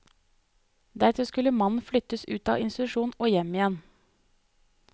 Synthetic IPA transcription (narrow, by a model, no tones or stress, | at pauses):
d̪æɾt̪ʰɪlskʉləmɑnn̩flʏt̪əsʉːt̪ɑ̰ːɪnst̪ɪt̪ʉʃuːn̩oːjɛmɪjɛn